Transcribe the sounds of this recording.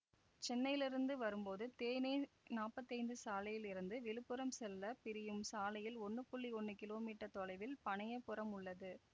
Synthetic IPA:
t͡ʃɛnːɐjɪlɪɾɯnd̪ɯʋɐɾɯmpoːðɯt̪eːjnenaːpːɐt̪ːɐɪnd̪ɯsaːlɐjɪlɪɾɯnd̪ɯʋɪɭɯpːɯɾɐmsɛlːɐpɪɾɪjɯmsaːlɐjɪlɔɳːɯpʊɭːiɔɳːɯkɪloːmiːʈːɐt̪ɔlɐɪʋɪlpɐɳɐjɐpːɯɾɐmʊɭːɐðɯ

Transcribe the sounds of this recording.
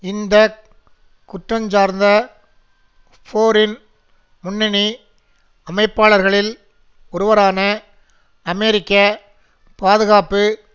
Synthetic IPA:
ɪnd̪ɐ | kʊʈrɐɲd͡ʒaːɾnd̪ɐ | foːɾɪn | mʊnːɪni | ɐmɐɪpːaːɭɐɾɣɐɭɪl | ɔɾɯʋɐɾaːnɐ | ɐmɛɾɪkːɐ | paːðɯɣaːpɯ

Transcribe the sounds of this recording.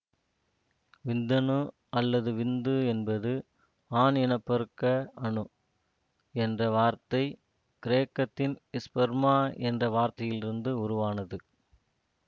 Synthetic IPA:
ʋɪnd̪ɐnɯ | ɐlːɐðɯʋɪnd̪ɯɛnbɐðɯ | aːnɪɳɐpːɐɾɯkːɐɐɳɯ | ɛndrɐʋaːɾt̪ɐɪ | kɪɾeːkːɐt̪ːɪnɪspɐɾmaːɛndrɐʋaːɾt̪ɐjɪlɪɾɯnd̪ɯʊɾʊʋaːnɐðɯ

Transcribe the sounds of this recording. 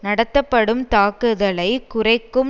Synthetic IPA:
nɐɽɐt̪ːɐpːɐɽɯmt̪aːkɯðɐɭɐɪkʊrɐɪkːɯm

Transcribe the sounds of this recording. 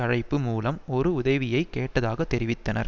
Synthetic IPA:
ɐɻɐɪpːɯmuːlɐmɔɾɯʊðɐʋɪjɐɪkːeːʈːɐðaːɣɐt̪ːɛɾɪʋɪt̪ːɐnɐ̰ɾ

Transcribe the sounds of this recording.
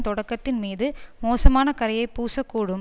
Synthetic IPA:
t̪ɔɽɐkːɐt̪ːɪnmiːðɯmoːsɐmaːnɐkɐɾɐjɐɪpuːsɐkːuːɽɯm

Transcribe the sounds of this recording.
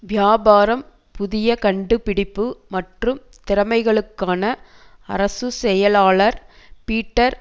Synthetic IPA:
ʋjaːbaːɾɐm | pʊðɪjɐkɐɳɖɯpɪɽɪpːɯmɐʈrɯm | t̪ɪɾɐmɐɪɣɐɭɯkːaːnɐ | ɐɾɐsɯsɛjɐlaːɭɐɾ | piːʈːɐɾ

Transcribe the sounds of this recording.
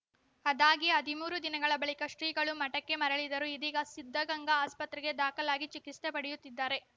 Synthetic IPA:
ɐd̪aːɡiɐd̪imuːɾud̪inɐɡɐɭɐbɐɭikɐʂɾiːɡɐɭumɐʈɐkːe̞mɐɾɐɭid̪ɐɾuid̪iːɡɐsid̪ʱːɐɡɐŋɡɐaːspɐt̪ɾɛɡe̞d̪aːkɐlaːɡit͡ʃikist̪epɐɽɛjut̪ːid̪ːaːɾe̞

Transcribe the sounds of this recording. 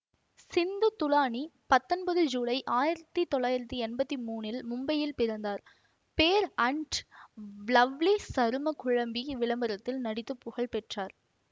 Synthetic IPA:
sɪnd̪ɯt̪ːʊlaːɳipɐt̪ːɔnbɐðɯd͡ʒuːɭɐɪʔaːjɪɾɐt̪ːit̪ɔɭːaːjɪɾɐt̪ːiɛnbɐt̪ːimuːnɪlmʊmbɐjɪlpɪɾɐnd̪aːɾ | peːɾɐɳʈ | lɐʋlisɐɾɯmɐkʊɻɐmbiʋɪlɐmbɐɾɐt̪ːɪlnɐɽɪt̪ːɯpːʊɣɐɭpɛʈraːɾ

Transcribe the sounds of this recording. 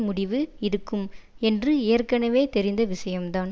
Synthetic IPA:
mʊɽɪʋɯɪɾɯkːɯmɛndrɯeːrkɐnɐʋeːt̪ɛɾɪnd̪ɐʋɪsɐjɐmt̪aːn

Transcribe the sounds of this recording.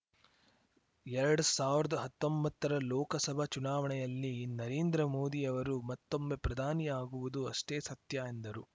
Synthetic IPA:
ɛɾɐɽusaːʋiɾɐd̪ɐɦɐt̪ːombɐt̪ːɐɾɐlɔːkɐsɐbʱɐt͡ʃunaːʋɐɳɛjɐlːinɐɾeːnd̪ɾɐmoːd̪ijɐʋɐɾumɐt̪ːo̞mːe̞pɾɐd̪ʱaːnijaːɡuʋud̪uɐʂʈeːsɐt̪jaːjind̪ɐɾu

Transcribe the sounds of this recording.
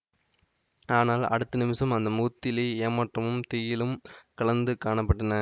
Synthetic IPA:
aːnaːlɐ̰ɽɯt̪ːɐnɪmɪsɐmɐnd̪ɐmuːt̪ːɪlieːmɐʈrɐmɯmt̪ɪjɪlɯmkɐɭɐnd̪ɯkaːɳɐpːɐʈːɐnɐ

